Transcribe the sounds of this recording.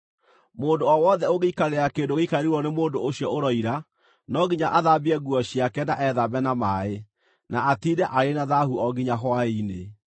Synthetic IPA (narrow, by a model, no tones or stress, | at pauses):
moːndoɔwɔðɛoɣeikaɾeɾakeːndoɣeikaeɾeɾwɔnemoːndooɕjɔoɾɔiɾa | nɔɣiɲaʔaðabiɛɣuɔɕiakɛnaʔɛðabɛnamae | naatidɛʔaɾenaðahuɔɣiɲaɦwaine